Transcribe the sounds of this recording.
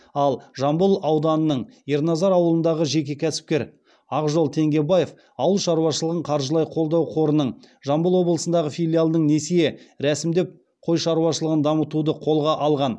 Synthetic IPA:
ɑlˠʒɑmbəlˠɑwd̪ɑnənəɴjeɾnɑzɑɾɑwəlˠənd̪ɑʁəʒe̞kʲe̞kʲʰæsɪ̥p̚kʲe̞ɾ | ɑqʒo̞lˠt̪ʰe̞ŋɡʲe̞baje̞f | ɑwəlˠʃɑɾuwɑʃəlˠəʁəɴqʰɑɾʒəlˠɑjqʰo̞lˠd̪ɑwqʰo̞ɾənəɴ | ʒɑmbəlˠwo̞blˠəsənd̪ɑʁəfijlʲijalˠd̪əɴne̞sijeɾæsɪmd̪e̞p̚ | qʰo̞jʃɑɾuwɑʃəlˠəʁənd̪ɑmət̪ud̪əqʰo̞lˠʁɑʔɑlˠʁɑn

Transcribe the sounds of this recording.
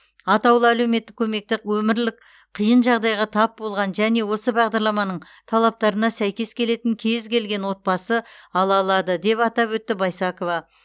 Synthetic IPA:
ɑt̪ɑwlˠəæleme̞t̪ːɪkʲʰɵme̞k̚t̪ɪkwɵmɪɾlɪk | qʰijənʒɑʁd̪ɑjʁɑt̪ʰɑp̚bo̞lˠʁɑnʒæne̞wo̞səbɑʁd̪ɑɾlˠɑmɑnəɴ | t̪ʰɑlˠɑp̚t̪ɑɾənɑsæjkʲe̞skʲʰe̞le̞t̪ɪŋkʲʰe̞zkʲʰe̞lɡʲe̞nwo̞t̪̚bɑsəɑlˠɑlˠɑd̪əd̪e̞pɑt̪ɑpwɵt̪ːɪbɑjsɑko̞vɑ

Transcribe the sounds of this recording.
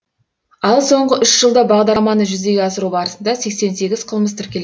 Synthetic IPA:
ɑlˠso̞ɴʁəʔʏʃʒ̥əlˠd̪ɑbɑʁd̪ɑɾmɑnəʒʏzd̪e̞ɡʲeɑsəɾubɑɾəsənd̪ɑse̞kse̞nse̞ɡʲɪz̥qʰəlˠməst̪ʰɪɾkʲe̞le

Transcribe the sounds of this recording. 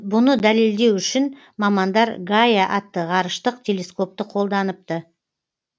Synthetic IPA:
bʊnəd̪æle̞ld̪e̞wʏʃɪn | mɑmɑnd̪ɑɾɡajaʔɑt̪ːəʁɑɾəʃt̪əq̚t̪ʲʰe̞le̞sko̞p̚t̪əqʰo̞lˠd̪ɑnəp̚t̪ə

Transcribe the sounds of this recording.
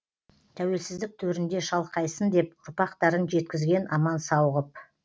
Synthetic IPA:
t̪ʰæwe̞lsɪzd̪ɪk̚t̪ʰɵɾɪnd̪e̞ʃɑlˠqɑjsənd̪e̞p̚ʊɾpɑqt̪ɑɾənʒe̞t̪kʲɪzɡʲe̞nʔɑmɑnsɑwʁəp̚

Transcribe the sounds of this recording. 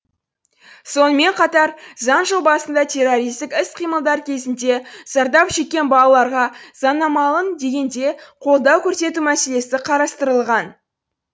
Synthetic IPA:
so̞nəme̞ɴqʰɑt̪ɑɾzɑnʒəlˠbɑsənd̪ɑt̪ʲʰe̞ro̞ɾijst̪ɪkʲɪsqʰijməlˠd̪ɑɾkʲʰe̞zɪnd̪e̞z̥ɑɾd̪ɑpʃe̞k̚ʲːe̞nbɑlˠɑlˠɑɾʁɑz̥ɑnɑmɑlˠənd̪e̞ɡʲe̞nd̪e̞qʰo̞lˠd̪ɑwkʲʰɵɾse̞t̪umæse̞le̞sɪqʰɑɾɑst̪əɾəlˠʁɑn

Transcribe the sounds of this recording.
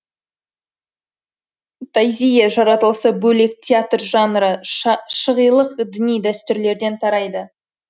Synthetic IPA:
t̪ʰɑjzʲijaʒɑɾɑt̪əlˠsəbɵle̞k̚t̪ʲʰat̪rʒɑnɾəʃəʁijlˠəqd̪ɪnijd̪æst̪ʏɾle̞ɾd̪e̞nt̪ʰɑɾɑjd̪ə

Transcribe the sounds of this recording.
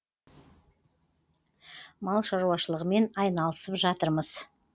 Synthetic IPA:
mɑlˠʃɑɾuɑʃəlˠəʁəme̞nɑjnɑlˠəsəpʒɑt̪əɾməz̥

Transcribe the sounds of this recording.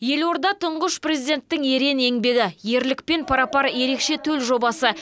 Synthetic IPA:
je̞lo̞ɾd̪ɑt̪ʰʊɴʁəʃprezid̪e̞nt̪ːɪŋe̞ɾe̞ne̞ŋbe̞ɡʲɪje̞ɾlɪk̚pe̞npʰɑɾɑpɑɾje̞ɾe̞kʃe̞t̪ʰɵlʒo̞bɑsə

